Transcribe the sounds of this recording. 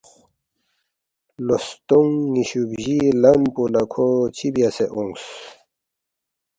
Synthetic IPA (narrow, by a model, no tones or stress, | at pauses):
lost̪uŋːiɕubʑilɐmpulakʰot͡ɕʰibjaseʔuŋɡs